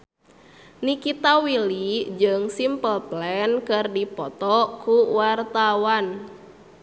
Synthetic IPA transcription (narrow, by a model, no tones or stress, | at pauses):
nikit̪awilid͡ʒɨŋsimpəlplɛnkɨrdipɔt̪ɔkuwart̪awan